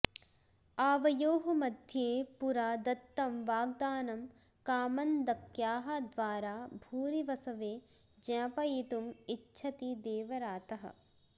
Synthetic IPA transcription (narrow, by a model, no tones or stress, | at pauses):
aːʋɐjoːɦɐmɐd̪ʱjeːpuɾaːd̪ɐt̪ːɐmʋaːɡd̪aːnɐm | kaːmɐnd̪ɐkjaːɦɐd̪ʋaːɾaːbʱuːɾiʋɐsɐʋeː | d͡ʒɐ̃ːpɐjiːt̪umitːʃʰɐt̪id̪eːʋɐɾaːt̪ɐɦɐ̰̆